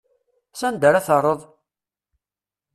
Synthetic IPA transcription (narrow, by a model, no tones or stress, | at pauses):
sænd̪əɾaθərˤəðˤ